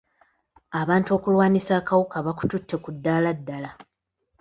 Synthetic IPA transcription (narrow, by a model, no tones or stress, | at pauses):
aβaːntuo̞ːkulwaːnisaːkawukaβaku̥tutʰːe̞kudːaːladːala